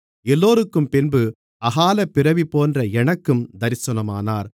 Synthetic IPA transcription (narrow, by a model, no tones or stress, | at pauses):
ɛlːoːɾɯkːɯmpɪnbɯ | ɐɣaːlɐpːɪɾɐʋipoːndrɐɛnɐkːɯmd̪ɐɾɪsɐnɐmaːnaːɾ